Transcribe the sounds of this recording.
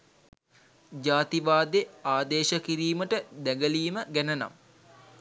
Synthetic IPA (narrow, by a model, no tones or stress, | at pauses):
d͡ʒaːt̪iʋaːd̪eaːd̪eːʃəkiɾiːməʈəd̪æɡəliːməɡænəna̰m